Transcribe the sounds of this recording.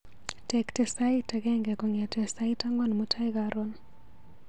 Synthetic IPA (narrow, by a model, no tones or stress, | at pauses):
tɛktɛsaitɛkɛŋɡɛkɔŋɛtɛsaitaŋɡɔnmutʰaikaɾɔn